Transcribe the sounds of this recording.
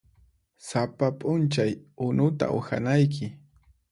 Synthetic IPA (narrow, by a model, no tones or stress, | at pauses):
sapapʼʊnt͡ʃajʊnʊt̪a̰ʔʊ̰xa̰najk̬ʰɪ